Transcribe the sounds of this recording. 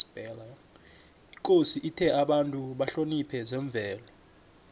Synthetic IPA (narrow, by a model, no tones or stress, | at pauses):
b̥ɛla | ikʼosiʔitʰɛʔaɓantʼuɓaɬonipʰɛzɛɱb̪vʱɛːlɔ